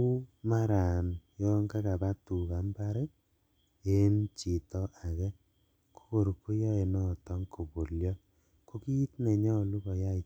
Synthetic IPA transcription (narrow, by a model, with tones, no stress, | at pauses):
u˦ma˦ɾa˨njɔ˦ŋɡa˦ka˨ba˦tu˨ka˨˦mba˦ɾɛ˦ | e˦nt͡ʃi˨tɔ˦ʔa˨kɛ˦ | ko̥˦ko˨ɾu˨kːu˦ja˦e˨nɔ˦˨tɔ˦ŋko˨bo˨ljɔ˦ | ko˦kiː˦tnɛ˨ɲɔ˦o˨lu˦kɔ˨ja˦i˨